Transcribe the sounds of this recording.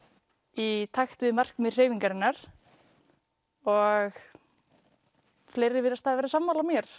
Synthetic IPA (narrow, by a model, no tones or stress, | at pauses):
it̪ʰajxt̪vɪðmar̥kmɪr̥eːjviŋkaɾɪnːaɾ̥ | ɔɣ | fleːjɾɪvɪɾðast̪aðvɛɾasamːaːlamjɛɾ̥